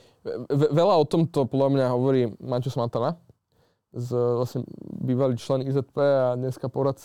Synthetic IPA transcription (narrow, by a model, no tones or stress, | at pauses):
ʋɛʋɛlaɔt̪ɔmt̪ɔpɔdlamɲaɦɔʋɔɾiːmacusmat̪ana | zʋlasɲɛbiːʋaliːt͡ʃlɛnizɛt̪̚pɛad̪ɲɛskapɔɾat̪t͡s